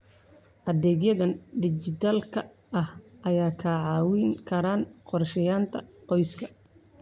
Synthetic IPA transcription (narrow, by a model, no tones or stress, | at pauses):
ʔɐðɛːɡjɐðɐnɖɪt͡ʃɪt̪ʰaːlkʰɐ | ɐhʔɐjaːkʰɐːʕɑːwɪŋkʰɐɾaːnqɔrʃɛjaːnt̪ʰɐqɔjskʰɐ